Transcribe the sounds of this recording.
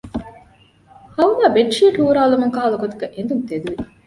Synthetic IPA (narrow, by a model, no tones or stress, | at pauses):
hɐwnaːbeʈːʂijɐʈuːɾaːlumuŋkaːlɐkot̪ɐ̥keʔend̪unt̪ed̪uʋik